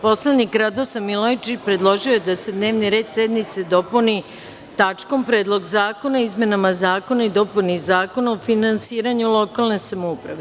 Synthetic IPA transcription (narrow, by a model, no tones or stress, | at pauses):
po̞sled̪nikɾad̪osamilˠojt͡ʃipɾe̞d̪lˠo̞ʒiojed̪ase̞d̪ne̞ːʋniɾe̞ːd̪sed̪nit̪se̞d̪o̞puni | t̪at͡ʂko̞mpɾe̞ːd̪lˠo̞ɡzaːko̞naizmʲe̞namazaːko̞naid̪o̞punizaːko̞naofinansiːɾaɲulˠo̞kalne̞samoupɾa̰ʋe̞